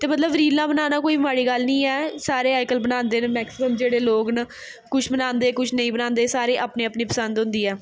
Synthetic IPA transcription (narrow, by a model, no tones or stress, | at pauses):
t̪eːmət̪ləbɾiːlːãːbənaːnaːkoːiːbmaːɽiːɡəlnĩːɛːsaːɾeːaːɪkəlbənãːnd̪eːnmɛːksɪməmd͡ʒeːɽeːloːɡnə | kʊt͡ʃʰbənãːnd̪eːkʊt͡ʃʰnəĩːbənãːnd̪eːsaːɾeːʔaːpneːapniːpəsə̃nd̪ɦʊ̃nd̪iːɛː